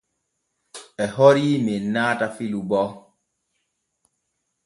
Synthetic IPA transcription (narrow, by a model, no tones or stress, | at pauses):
ɛɦɔɾiːminːaːtafilubɔ